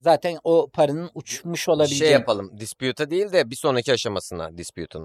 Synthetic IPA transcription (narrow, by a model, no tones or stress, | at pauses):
zaːt̪ʰænopʰaɾɯnɯnut͡ʃmuʃo̞lˠabilʲʃejiːaapalˠɯmd̪ispjut̪ʰad̪ejilʲd̪ɛbiso̞nɾacʰiaʃamasɯna̰d̪ispjṵt̪ʰanɯ